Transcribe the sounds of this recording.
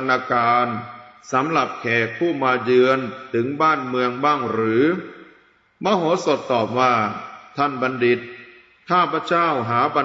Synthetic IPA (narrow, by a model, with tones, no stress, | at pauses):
nːaː˧kaː˧nsa˩˦mɾa˨˩p̚kʰɛː˨˩k̚pʰuː˥˩maː˧jɯ˧ənt̪ʰɯ˩˦ŋbaː˥˩nmɯ˧əŋbaː˥˩ŋɾɯː˩˦ | maː˧˥ɦoː˨˩˦so˨˩t̪ːɔː˨˩p̚waː˥˩t̪ʰa˥˩nba˧ndi˨˩t̪̚ʰː | aː˥˩pʰa˧˥˩t͡ɕaː˥˩wɦaː˩˦ba˧